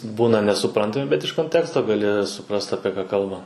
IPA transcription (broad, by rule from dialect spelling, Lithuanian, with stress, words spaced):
ˈbuːnɐ nʲɛsʊˈprɐntɐmʲɪ bʲɛt ɪʃ koːnʲˈtʲæːkstoː ɡɐˈlʲɪ sʊˈprɐst ɐpʲiɛ ˈkɑː ˈkɐlˠbɐ